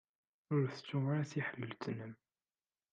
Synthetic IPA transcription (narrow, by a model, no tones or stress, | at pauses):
ʊɾθt͡sːumɾæθiħəlːəlt̪nəm